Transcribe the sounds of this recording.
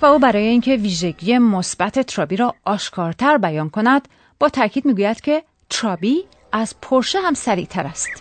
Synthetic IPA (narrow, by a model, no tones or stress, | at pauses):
væuːbæɾɒːje̞iːŋcʰe̞viːʒe̞ɟiːje̞mosbæt̪ʰe̞t̪ʰɾɒːbiːɾɒːʔɒːʃkʰɒːɾt̪ʰæɾbæjɒːnkʰo̞næd̪̥ | b̥ɒːt̪ʰæɾcʰiːd̪̚miːɡuːjæd̪̥cʰe̞ | t̪ʰɾɒːbiː | æzpʰoɾʃeɦæmsæɾḭt̪ʰæɾæst̪